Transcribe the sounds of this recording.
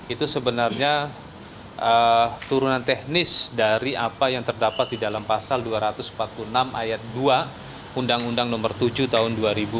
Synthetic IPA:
it̪usəbənarɲa | ʔət̪uɾunant̪ɛhnɪsdaɾiʔapajaŋt̪ərdapat̪̚didalampasalduaɾat̪ʊsm̩pat̪̚puənamʔa̰jat̪̚dua | undaŋundaŋnɔmərt̪ud͡ʒut̪aɦʊnduaɾibu

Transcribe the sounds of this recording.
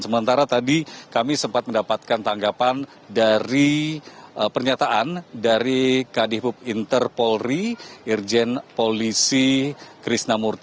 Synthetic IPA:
səmənt̪aɾat̪adikamisəmpat̪̚məndapat̪̚kant̪aŋɡapan | daɾi | əpərɲat̪aʔandaɾikadibʊp̚int̪ərpolriird͡ʒɛnpolisikɾisnamurt̪

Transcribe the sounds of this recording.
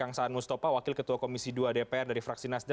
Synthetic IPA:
aŋsaːnmust̪apawakɪlkət̪uakomisiduadepeɛrdaɾifɾak̚sinasd

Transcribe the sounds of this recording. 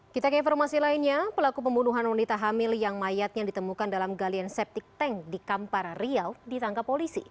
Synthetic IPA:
kit̪akinfɔrmasilainɲapəlakup̬əmbunuɦanwanit̪aɦamɪljaŋmajat̪̚ɲadit̪əmukandalamɡaliansɛp̚t̪ɪk̚t̪ɛŋdikamparriawdit̪aŋkapolisḭ

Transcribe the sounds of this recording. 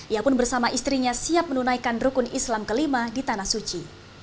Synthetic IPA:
ʔiapʊnbərsamaʔist̪ɾiɲasiap̚mənunajkanrukʊnislamkəlimadit̪anahsut͡ʃi

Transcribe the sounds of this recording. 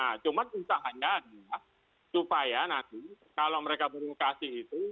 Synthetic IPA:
nat͡ʃumanusaɦaɲaːduja | supajanant̪i | kalowməɾekabəɾukasɪhit̪u

